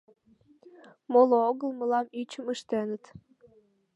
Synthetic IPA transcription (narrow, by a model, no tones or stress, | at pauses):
molooɣəlməlɑmit͡ɕəməʃt̪enət̪